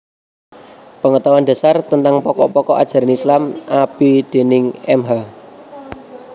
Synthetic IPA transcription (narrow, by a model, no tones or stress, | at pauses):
pəŋət̪awanda̤sart̪ənt̪aŋpɔkɔpɔkɔʔa̰d̥ʒ̥a̤ɾanislamab̥id̪̥e̤nɪŋɛmɦa